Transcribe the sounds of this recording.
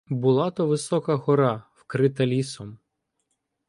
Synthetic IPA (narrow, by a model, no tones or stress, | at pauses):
bʊlˠɑt̪ɔʋɪsɔkɐɦɔɾɑwkɾɪt̪ɐlʲisɔm